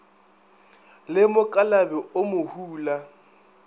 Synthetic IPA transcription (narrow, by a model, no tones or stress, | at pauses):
lɪmʊkʼalabɛʔʊmʊhuːla